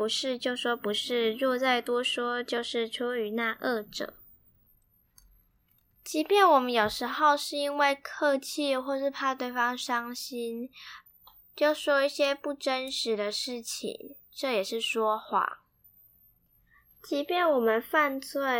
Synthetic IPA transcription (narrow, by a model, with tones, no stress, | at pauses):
pu˧˦ʂɻ̩˥˧t͡ɕjo˥˧ʊʂwɔ˥pu˨˧˥ʂɻ̩˥˧ɻwɔ˥˧t͡sa˥˩ɪt̪wɔ˥ʂwɔ˥t͡ɕjo˥˧ʊʂɻ̩˥˩ʈ͡ʂʰju˥ʊy˨˧˥na˥˧ʔə˥˩ʈ͡ʂɤ̰˨˩˦ŋ | t͡ɕi˧˥pjɛ˥˩nwɔ˨˩mə˦njo˨˩ʊʂɻ̩˧˥xo˥˧ʊʂɻ̩˥˩i˥nwe˥˧ɪkʰɤ˥˧t͡ɕʰi˥˧xwɔ˥˧ʂɻ̩˥˩pʰa˥ə˨t̪we˥˩ɪfɑ˥ŋʂɑ˥ŋɕi˥n | t͡ɕjo˥˩ʊʂwɔ˥i˥˩ɕjɛ˥pu˥˩ʈ͡ʂə˦˥nʂɻ̩˨˦d̪ə˧ʂɻ̩˥˩t͡ɕʰḭ˨˩ŋ | ʈ͡ʂɤ˥˩jɛ˨˩ʂɻ̩˥˩ʂwɔ˥xwa̰˥˩ | t͡ɕi˧˥pjɛ˥˩nwɔ˨˩mə˦nfa˥˧nt͡swe˥˩ɪ